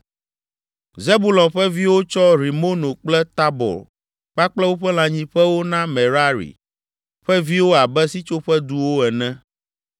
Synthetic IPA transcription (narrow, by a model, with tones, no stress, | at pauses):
ze˦bu˦lɔ̃˨mɸɛ˦vi˦wo˦t͡ʃɔ˦ɾi˨mo˦nõ˨k͡plɛ˦t̪a˦bɔ̰˨l | k͡pa˦k͡plɛ˦wo˦ɸɛ˦l̃ã˨ɲĩ˦ɸɛ˦wo˦nã˦mɛ˨ɾa˦ɾḭ˨ | ɸɛ˦vi˦wo˦a˨bɛ˦si˦t͡ʃo˦ɸɛ˦d̪u˦wo˦ɛ˨nɛ̃˦